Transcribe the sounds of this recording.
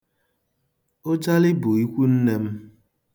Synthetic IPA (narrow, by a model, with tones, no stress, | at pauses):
o˦d͡ʒa˦lɪ˦bʊ˨i˦kʷu˦n̩˦ne˦m̩˦